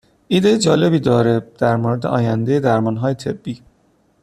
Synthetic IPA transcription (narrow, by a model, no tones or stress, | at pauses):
iːd̪ejed͡ʒɒːle̞biːd̪ɒːɾed̪̥æɾmoɾed̪eʔɒ̰ːjænd̪e̞jed̪æɾmɒːnɦɒːje̞t̪ʰe̞bːiː